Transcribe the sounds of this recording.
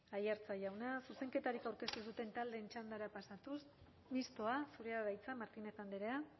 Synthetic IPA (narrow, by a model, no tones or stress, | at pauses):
ajaɾt͡saʝawnasuse̞ŋke̞t̪aɾikawɾke̞st̪us̬ut̪e̞nt̪ald̪e̞ːnt͡ʃand̪aɾapasat̪us | mist̪oasuɾe̞aɣajt͡samaɾt̪ine̞t̪and̪iɾea